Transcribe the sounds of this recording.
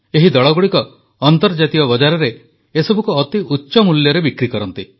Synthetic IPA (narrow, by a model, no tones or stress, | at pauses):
eɦid̪ɔɭɔɡuɽikɔ | ɔnt̪ɔɾd͡ʒat̪iɔbɔd͡ʒaɾɔɾe | esɔbʱukuɔt̪iʔutːʃɔmuljɔɾebikɾikɔɾɔnt̪i